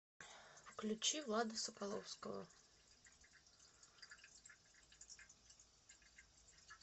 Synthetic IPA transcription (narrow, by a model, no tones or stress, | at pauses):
wklʲut͡ɕiwlˠad̪ɨsɐpalˠɔwskɐɣɐ̰